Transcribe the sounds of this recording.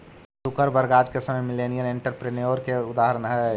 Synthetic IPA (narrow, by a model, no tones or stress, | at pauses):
sʊkəɾbəɾɡaːd͡ʒkesəməjmɪlenijəɾeɳʈəɾpɾenjoːɾkeʊd̪aːɦəɾənɦɛ